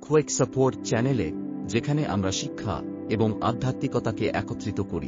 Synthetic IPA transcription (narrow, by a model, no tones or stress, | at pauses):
kʰueksəpoɾʈt͡ʃɛneled͡ʒekʰaneʔa̰mɾaʃikʰːa̰ | eboŋa̰d̪ʱːat̪ikɔt̪akeʔɛ̰kot̪ːɾit̪okoɾḭ